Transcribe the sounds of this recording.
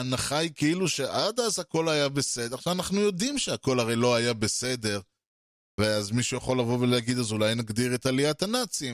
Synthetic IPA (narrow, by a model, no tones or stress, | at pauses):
anaχajkeiluʃe̞ʔad̪azhako̞lajabesed̪eaχʃavanaχnujo̞d̪imʃeako̞laʁe̞jlo̞ajabe̞se̞d̪e̞ʁ | veazmiʃujaχo̞lːavo̞veleaɡid̪azulajnaɡd̪iʁe̞t̪aliat̪anat͡sim